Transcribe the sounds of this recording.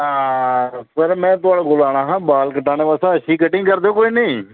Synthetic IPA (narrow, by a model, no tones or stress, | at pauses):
aːsəɾmɛ̃ːt̪ʊaːɽaːɡʊlaːɽ̃aːɦãːbaːlkəʈːaːneːʋasãːəʃiːkəʈɪ̃ŋɡkəɾd̪eːoːkoːiːnəː